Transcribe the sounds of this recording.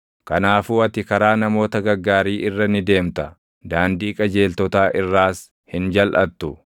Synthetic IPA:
kɐnaːfuːɐt̪ɪkɐɾaːnɐmo̞ːt̪ɐɡɐɾɡːaːɾiːʔɪrːɐnɪd̪e̞ːmt̪ɐ | d̪aːnd̪iːkʼɐd͡ʒe̞ːlt̪ɔt̪aːʔɪrːaːs | hɪnd͡ʒɐlʔɐt̪ːʊ

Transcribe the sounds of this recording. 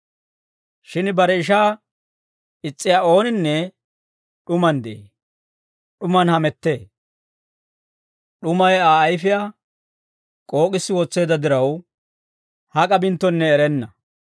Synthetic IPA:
ʃɪnbɐɾɛɪʃaː | ɪt͡sʼːɪjaːo̞ːnɪnːɛ | ɗʊmɐnd̪ḛ | ɗʊmɐnhɐmɛt̪ːe̞ː | ɗʊmɐjaːjfɪjaː | kʼo̞ːkʼɪsːɪwɔt͡sːe̞ːd̪ɐd̪ɪɾɐw | hɐkʼɐbɪnt̪ːɔnːɛːɾɛnːɐ

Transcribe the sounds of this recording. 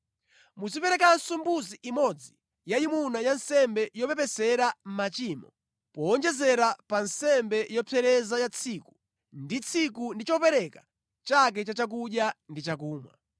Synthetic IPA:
muzipɛɾɛkansumbuziʔimɔd͡zi | jaimunajansɛmbɛjɔpɛpɛsɛɾam̩mat͡ʃiːmɔ̰ | pɔɔnd͡ʒɛzɛɾapansɛmbɛjɔpʰɛɾɛzajat͡sʰiku | ndit͡sʰikundit͡ʃɔpɛɾɛka | t͡ʃak̬ɛt͡ʃat͡ʃak̬uɗjandit͡ʃak̬uːma̰

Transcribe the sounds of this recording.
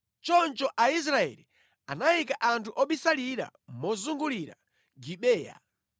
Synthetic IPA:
t͡ʃɔnt͡ʃɔʔais̬ɾaɛ̰li | anajikaʔantʰuʔɔɓisaliɾa̰mɔzuŋɡuliɾa̰ | ɡiɓɛːja̰

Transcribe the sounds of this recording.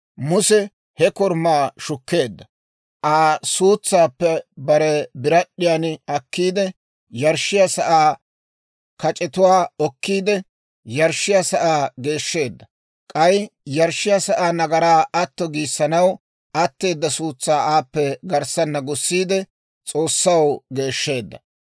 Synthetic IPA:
mʊsɛ | hɛkɔɾmaːʃʊkːe̞ːd̪ːɐ | ʔaːsuːt͡sːaːpːɛbɐɾɛbɪɾɐɗːɪjanɪɐkːiːd̪ɛ | jɐɾʃːɪjasɐʔaː | kɐt͡ʃʼɛt̪ʊwaːɔkːiːd̪ɛ | jɐɾʃːɪjasɐʔaːɡe̞ːʃːe̞ːd̪ːɐ | kʼɐjjɐɾʃːɪjasɐʔaːnɐɡɐɾaːɐt̪ːɔɡiːsːɐnɐw | ʔɐt̪ːe̞ːd̪ːɐsuːt͡sːaːʔaːpːɛɡɐɾsɐnːɐɡʊsːiːd̪ɛ | t͡sʼo̞ːsːɐwɡe̞ːʃːe̞ːd̪ːɐ

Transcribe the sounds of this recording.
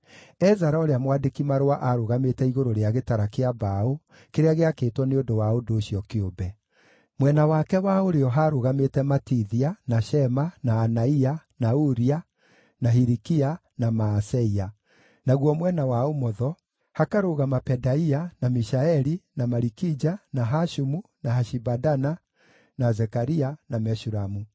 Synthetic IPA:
ɛzaɾaoɾeamwadekimaɾowaʔaɾoɣametɛiɣoɾoɾeaɣetaɾakeabao | keɾeaɣeakeːtwɔneodowaodoːɕiɔkeobɛ | mwɛnawakɛwaoɾeɔɦaɾoɣametɛmatiðianaʃɛmanaːnaianauɾia | naɦiɾikia | namaːsɛia | naɣwɔmwɛnawaomɔðɔ | hakaɾoɣamapɛdaianamiʃaɛɾinamaɾikid͡ʒanaɦaʃumunahaʃibadana | nazɛkaɾianamɛʃuɾamu

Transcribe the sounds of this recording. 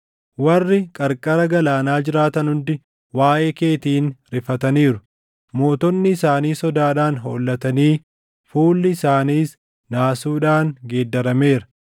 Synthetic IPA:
wɐrːɪkʼɐɾkʼɐɾɐɡɐlaːnaːd͡ʒɪɾaːt̪ɐnhʊnd̪ɪ | waːʔeːke̞ːt̪iːnɾɪfɐt̪ɐniːɾʊ | mo̞ːt̪ɔnːɪɪsaːniːsɔd̪aːᶑaːnɦo̰ːlːɐt̪ɐniː | fuːlːɪːsaːniːs | naːsuːᶑaːŋɡeːd̪ːɐɾɐme̞ːɾɐ̥

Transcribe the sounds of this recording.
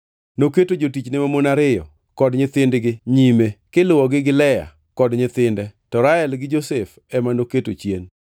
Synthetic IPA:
noketod͡ʒotit͡ʃnɪmamonaɾɪjɔ̰ | kɔdɲɪt̪ɪndɡɪɲimekɪlʊwɔɡɪɡɪlɛja̰ | kɔdɲɪt̪ɪndɛtɔɾaɛlɡɪd͡ʒosef | ɛmanoketot͡ʃjen

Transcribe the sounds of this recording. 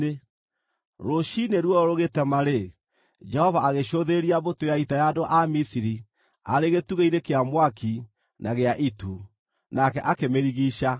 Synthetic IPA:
e | ɾoɕineɾwɔɔɾoɣetɛmaɾe | d͡ʒɛhɔvaːɣeɕoðeɾiabotojaitajadoʔamisiɾi | aɾeɣetuɣeiɾekeamwaki | nʔaɣeaʔitu | nakɛʔakemeɾiɣiʃa

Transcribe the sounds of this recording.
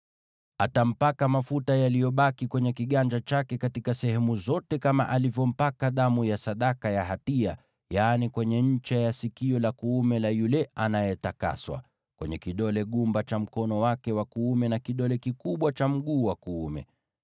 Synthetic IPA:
atam̩pakamafutajalijɔɓakikwɛɲɛkiɠand͡ʒat͡ʃakɛkatikasɛhɛmuzɔtɛkama̰ʔalivjɔm̩pakaɗamujasaɗakajaɦatia̰ | janikwɛɲɛɲ̩t͡ʃajasikiɔlakuumɛlajulɛʔanajɛtaka̰swa̰ | kwɛɲɛkiɗɔlɛɠumbat͡ʃam̩kɔnɔwakɛwakuumɛnakiɗɔlɛkikuɓwat͡ʃam̩ɠuːwakuumɛ̰

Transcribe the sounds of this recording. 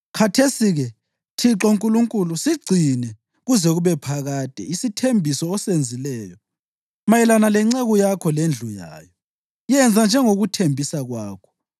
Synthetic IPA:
kʰatʰesiɣɛ | tʰiǁɔŋkʼuluŋkʼulusiɡ͡ǀʱinɛ | ɣuzɛɣuβɛpʰaɣaːd̥ʱɛ̰isitʰembʱisɔːsend͡zʱilɛːjɔ | majɛlanalɛŋ͡ǀaɣujakʰɔlend͡ɮʱuja̰ːjɔ | jɛnd͡zʱand͡ʒʱɛŋoɣutʰembʱisaɣwaːkʰɔ̥

